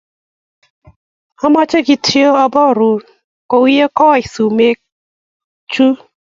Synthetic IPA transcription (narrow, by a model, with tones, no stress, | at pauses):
a˦ma˦t͡ʃe˦ɡi˧tʰi˦o˦ɔ˧bɔ˦˨ɾu˨ | ko˨wi˦je˦kɔ˦˨i˨su˨me˦ | t͡ʃu˦